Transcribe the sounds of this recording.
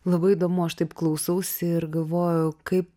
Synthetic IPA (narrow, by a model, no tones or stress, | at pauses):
lˠɐbɐɪɪd̪oːmʊɐʃt̪ɐɪpklˠɐʊsɐʊsʲɪɪɾɡɐlˠʋoːjʊkɐɪp